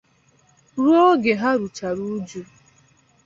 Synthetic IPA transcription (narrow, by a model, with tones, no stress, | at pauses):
ɾu˦o˦ɡe˨ɦa˦ɾu˨t͡ʃa˨ɾu˦d͡ʒu˦